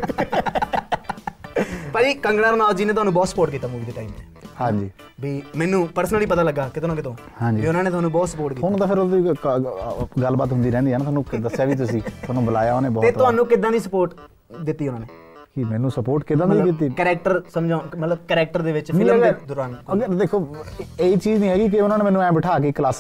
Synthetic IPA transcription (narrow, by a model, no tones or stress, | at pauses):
pəd͡ʒiːkəŋɡɽaːɾnaːd͡ʒiːneːt̪ʊɦaːnũːbɔːt̪sə̥poːʈ̚kiːt̪aːmuːʋiːd̪eːʈaːiːmeːhãːɲd͡ʒiː | bʱiːmɛːnũːpəɾsənəliːp̬ət̪aːləɡaːkɪt̪onãːkɪt̪õː | hãːɲd͡ʒiʊnãːneːt̪ʊɦaːnũːbɔːt̪səpoːʈkiːɦʊnt̪aːpʰɪɾod̪iː | ɡəlbaːt̪ɦʊnd̪iːɾɛ̃ːnd̪iːnaːt̪ʊɦaːnũːd̪əsjaːʋiːt̪ʊs̬iːt̪ʊaːnũːbəlaːjaːoneːbɔːt̪eːt̪ʊɦaːnũːkɪd̪ãːd̪iːsəpoːʈ | d̪ɪt̪ːiːʊnãːneː | kɪmɛːnũːsəpoːʈkɪd̪ãːd̪iːkɪt̪̬ːiːkɛɾɛːk̚ʈəɾsəmd͡ʒãmət̪ləbkːɾɛːk̚ʈəɾd̪eːʋɪt͡ʃpʰɪlmɡd̪ʊɾaːnəɡəɾd̪eːkʰoːeːiːt͡ʃiːd͡ʒnĩːɦɛːɡiːk̬ɪʊnãːneːmɛːnũːɛ̃ːbəʈʰaːk̬eːklaːs